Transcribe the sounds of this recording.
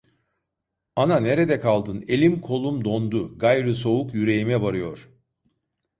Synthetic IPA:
anane̞ɾed̪ɛkʰalˠd̪ɯne̞lʲimkʰo̞lˠumd̪o̞nd̪uɡajɾɯso̞ukjyɾe̞jimɛvaɾɯjo̞ɾ̥

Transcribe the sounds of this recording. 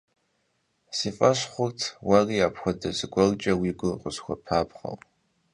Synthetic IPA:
sifʼaʃʷχʷʊrtʰwariapʰxʷadazɡʷɔlt͡ʃʼɐwiɡʷʊqʷʼʊzxʷapʰapʰχa̰l

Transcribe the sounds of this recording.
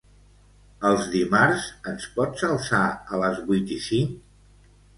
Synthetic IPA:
əlˠzðimaɾsənspɔtsəlˠsaələzβujt̪isiŋk

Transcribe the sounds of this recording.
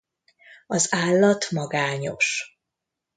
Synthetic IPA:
ɒzaːlːɒt̪mɒɡaːɲo̰ʃ

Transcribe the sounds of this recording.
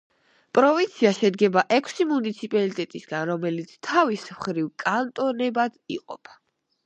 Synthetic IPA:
pʼɾɔvint̪sʰiaʃɛd̪ɡɛbaʔɛkʷʰsimunit̪sʰipʼalit̪ʼɛt̪ʼisɡanɾɔmɛlit̪sʰt̪ʰavismχɾivkʼant̪ʼɔnɛbad̪̥iqʼɔ̰pʰa

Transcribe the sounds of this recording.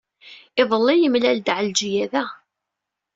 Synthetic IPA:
ɪðˤəlːijəmlæld̪ʕəld͡ʒijæðæ

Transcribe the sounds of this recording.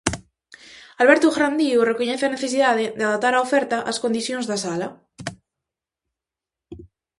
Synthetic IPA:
alβɛɾt̪uxɾand̪iurekoɲɛθeaneθes̬iðað̞ed̪eaðat̪aɾaofɛɾt̪aʔaskond̪iθjonzðasala

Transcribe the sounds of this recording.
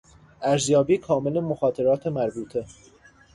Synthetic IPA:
ʔæɾzjɒːbiːkʰɒːme̞lemoxɒːt̪ʰe̞ɾɒːt̪ʰemæɾbuːt̪ʰe̞

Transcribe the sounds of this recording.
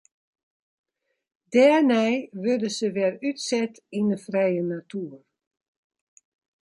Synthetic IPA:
dɛːnɛjʋødəsəʋɛrytsɛt | inəfrɛjənatʰuər

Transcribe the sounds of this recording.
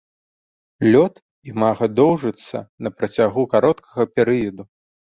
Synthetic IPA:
lʲɔt̪ | imaɣɐd̪ɔwʐɨt̪sːɐ̰nɐpɾɐt͡sʲaɣukaɾɔt̪kʰɐɣɐpʲɛɾɨjɐd̪u

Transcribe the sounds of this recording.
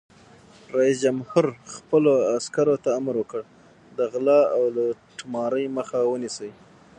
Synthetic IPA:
ɾɑisd͡ʒamhʊɾxpəloaskaɾot̪aːmɾwəkəɽ | d̪əɣlɑawlaʈmɑɾəjməxawənisəj

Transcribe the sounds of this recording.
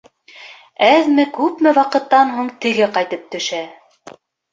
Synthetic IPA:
æðmɘkʉpmɘwɑqɤ̆t̪ːɑnɦuɴt̪ɘ̆ɡɘqɑjt̪ɤp̚t̪ɵ̆ʃæ

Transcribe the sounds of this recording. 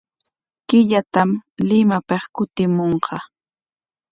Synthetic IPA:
kɪʎat̪amlɪmapeχkʊt̪ɪmoɴqʰɑ

